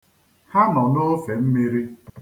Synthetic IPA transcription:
ha˦nɔ˨no˦fe˨m̩˦me˦ɾi˦

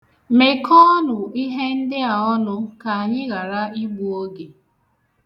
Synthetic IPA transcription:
me˨kʰɔ˦nʊ˨i˦ɦe˦n̩˦dɪ˦a˨ɔ˦nʊ˦ka˨a˨ɲɪ˦ɣa˨ɾa˦i˦ɡ͡bu˦o˦ɡe˨

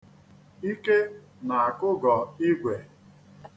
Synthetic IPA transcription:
i˦ke˦ | na˨a˨kʊ˦ɡɔ˨i˦ɡʷe˨

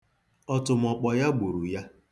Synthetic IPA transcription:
ɔ˦tʊ˨m̩˨ɔ˨k͡pɔ˨ja˦ɡ͡bu˨ɾu˨ja˦

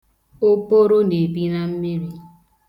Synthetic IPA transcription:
o˦po˦ɾo˦ne˨bi˦ɾa˦m̩˦mi˦ɾi˦

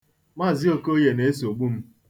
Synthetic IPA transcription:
ma˦˨zɪ˦o˦ko˦je˨ne˨˦e˦so˨ɡ͡bu˦m̩˦

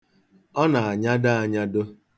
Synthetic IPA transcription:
ɔ˦na˨a˨ɲa˦da˦a˨ɲa˦do˦

